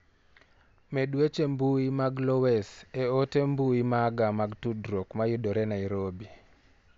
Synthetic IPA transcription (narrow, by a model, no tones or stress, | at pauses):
medwet͡ʃembuimaɡlɔwɛseotembuimaɡamaɡtudɾokmajʊdɔɾɛnaiɾobi